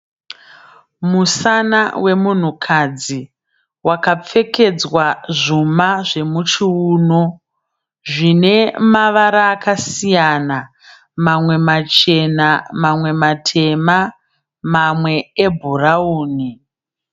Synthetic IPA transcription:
musanawe̞mun̤ukʰad͡zi | wakap͡fe̞ke̞d͡zwaʐumaʐe̞mut͡ʃiuːno | ʐine̞maʋaɾaːkasijana | mamwe̞mat͡ʃe̞namamwe̞matʰe̞ma | mamwe̞ebʱurauːni

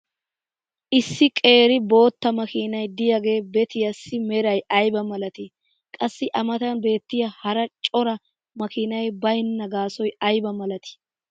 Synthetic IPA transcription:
ʔɪsːɪkʼe̞ːɾɪbo̞ːt̪ːɐmɐkiːnɐjd̪ɪjaɡe̞ːbɛt̪ɪjɐsːɪmɛɾɐjɐjbɐmɐlɐt̪ɪ | kʼɐsːɪʔɐmɐt̪ɐnbe̞ːt̪ːɪjɐhɐɾɐt͡ʃʼɔɾɐ | mɐkɪnɐjbɐjɪnːɐɡaːsɔjɐjbɐmɐlɐt̪ɪ̥

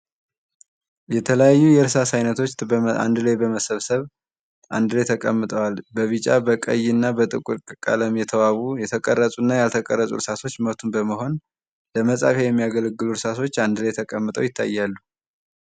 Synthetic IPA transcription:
jɛt̪ʰələjajːujɛɾɨsasajnət̪ʰo̞a̰nd̪lajbəməsəβsəβ | ʔa̰nd̪ɨlet̪ʰəkʼəmːɨt̪ʼəwalbəβɨt͡ʃʼabəkʼə̰jnːabət̪ʼɨkʼuɾkʼɨkʼa̰ləmjɛt̪ʰəwaβujɛt̪ʰəkʼərːəsʼunːajalt̪ʰəkʼə̰rːəsʼṵɾɨsat̪ʰo̞t͡ʃːməβt̪ʰunbəməho̞n | ləməsʼa̰fejɛmːijaɡələɡːɨluɾɨsat̪ʰo̞t͡ʃːand̪ɨlet̪ʰəkʼəmːɨt̪ʼə̰wjɪt̪ʰːa̰jːalːu

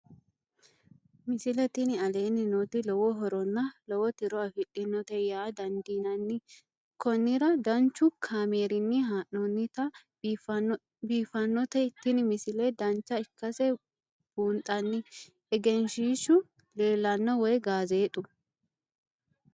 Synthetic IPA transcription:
mɪsɪlɛt̪ɪnɪɐle̞ːnːɪnut̪ɪlɔwɔɦɔɾɔnːɐlɔwɔt̪ɪɾɔɐfɪlːɪnːɔt̪ɛjaːd̪ɐnd̪iːnɐnːɪ | kɔnːɪɾɐd̪ɐnt͡ʃːʊkʰaːmeːɾɪnːɪɦaːʔɔnːɪt̪ɐ | fɐ | biːfɐnːɔt̪ɛt̪ːɪnɪmɪsɪlɛd̪ɐnt͡ʃːɐɪkːɐsɛ | b̥uːnt̪ʼɐnːɪ | ɛɡɛnʃiːʃʊ | le̞ːlɐnːɔwɔjɡaːzeːt̪ʼʊ

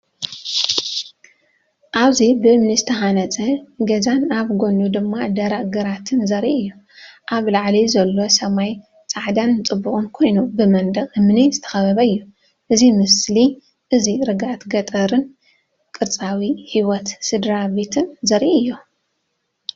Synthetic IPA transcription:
ʔaβzibɨmnizt̪ʰɐɦanɐt͡sʼɐɡɐzanaβɡo̞nud̪ɨmːad̪ɐɾaʔɡɐɾat̪ʰɨnzɐɾʔiʔɨjːu | ʔaβlaʕlizɐlːo̞sɐmaj | t͡sʼaʕd̪ant͡sʼɨbːuχʼɨnkʰo̞jnubɨmɐnd̪ɐχʼɨmnizɨt̪ʰɐ̥xɐβɐβɐɨjːu | ʔɨzimɨsli | ʔɨziɾɨɡat̪ɡɐt̪ʼɐɾɨn | kʼɨɾt͡sʼawihiwɔt̪sɨd̪ɾabe̞t̪ʰɨnzɐɾʔiɨjːu

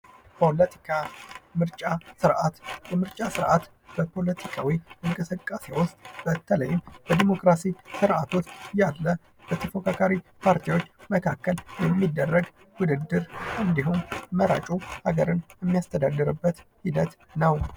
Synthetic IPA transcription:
pʰo̞lət̪ʰi̥kʰamɨɾt͡ʃʼasɨɾʔat̪bɛmɨɾt͡ʃʼasɨɾʔat̪ | b̥əpʰo̞lət̪ʰikʰawiməŋkʼəsəkʼːase̞wʊst̪ʼb̥ət̪ʰələjɪmbəd̪imo̞kɾasisɨɾʔat̪ʰo̞t͡ʃːjalːə | b̥ət̪ʰəfokʰakʰaɾipʰaɾt̪ʰiwo̞t͡ʃːməkʰakːəljɛmːid̪ːərːəɡ | wʊd̪ɨd̪ːɨɾʔɨnd̪iɦumməɾa̰t͡ʃʼuha̰ɡəɾɨnjɛmːijast̪ʰəd̪ad̪ːɨɾɨbːət̪hid̪ət̪ | nəw

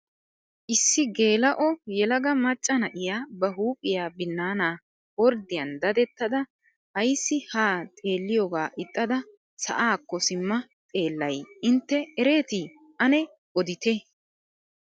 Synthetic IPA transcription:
ʔɪsːɪɡe̞ːlɐʔɔjɛlɐɡɐmɐt͡ʃʼːɐnɐʔɪjaːbɐɦuːkʼɪjaːbɪnːaːnaː | wɔɾd̪ɪjɐnd̪ɐd̪ɛt̪ːɐd̪ɐ | hɐjsːɪhaːt̪ʼe̞ːlːɪjoːɡaːʔɪt̪ʼːɐd̪ɐ | sɐ̰ʔaːkːɔsɪmːɐ | t̪ʼe̞ːlːɐjʔɪnt̪ːɛɛɾe̞ːt̪iː | ʔɐnɛ | ɔd̪ɪt̪ɛ

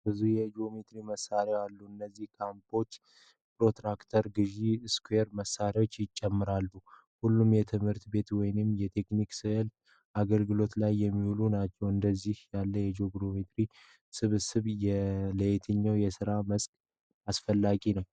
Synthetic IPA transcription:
bɨzujɛd͡ʒo̞met̪ɾiməsːaɾaalːuɨnːəzːihkʰampʰo̞t͡ʃː | pɾo̞t̪ɾakt̪ʰəɾɡɨʒiskʰweɾməsːaɾio̞t͡ʃːjɪt͡ʃʼːɛmːɨɾalːu | hulːumjɛt̪ʰɨmhɨɾt̪be̞t̪wɔjnɨmjɛt̪ʰe̞kniksɨhɨlt̪ | ʔaɡəlɡɨlo̞t̪lajːɛmːihulunat͡ʃːɛwɨnd̪əzːihjalːəjɛd͡ʒo̞ɡɾo̞met̪ɾi | sɨβɨsɨβjɛləjt̪ʰɨɲːawjɛsɨɾaməskʼ | asfəlːaɡinəw

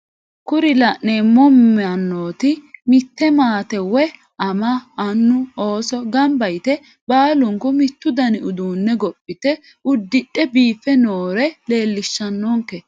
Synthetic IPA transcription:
kʊɾɪlɐʔnɛmɔmːɛɐnːoːt̪ɪmɪt̪ːɛmaːt̪ɛwɛ | ɐmɐːnːʊoːsɔɡɐmbɐjt̪ɛ | baːlʊŋkʊmɪt̪ːʊd̪ɐnɪʊd̪uːnːɛɡɔpʼːɪt̪ɛ | ʊd̪ːɪɗɛbiːfːɛnoːɾɛle̞ːlːɪʃːɐnːɔŋkːɛ

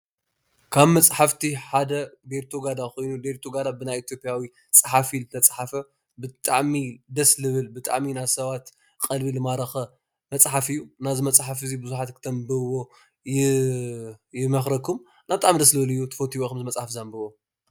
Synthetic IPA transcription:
kʰaβmɐt͡sʼħaft̪ʰiħad̪ɐbeɾt̪ʰoɡad̪axo̞jnud̪eɾt̪ʰoɡad̪abɨnajit̪ʰjo̞pʼjawi | t͡sʼɨħafilɨt̪ʰɐt͡sʼħafɐ | bɨt̪ʼaʕmid̪ɐslɨβɨlbɨt̪ʼa̰ʕminasɐβat̪ | qʼɐlbilɨmaɾɐxɐ | mɐt͡sʼħafɨjːunazɨmɐt͡sʼħafɨzibɨzuħat̪kʰɨ̥t̪ʰɐmbɨwo̞ | jɪ | jɪmɐxɾɐkʰum | naβt̪ʼaʕmid̪ɐslɨβɨlɨjːut̪ʰɨfot̪ʰiwokɨmzɨmɐt͡sʼħafzambɨβo

